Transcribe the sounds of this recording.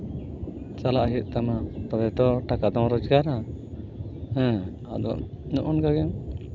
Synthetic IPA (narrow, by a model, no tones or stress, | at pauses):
t͡ʃalaʔɦit̪̚ˀt̪amat̪ɔbɛt̪ɔʈakad̪ɔ̃ŋɾɔd͡ʒɡaɾa | hɛ̃ | ad̪ɔ̰ | nɔʔɔnkaɡɛŋ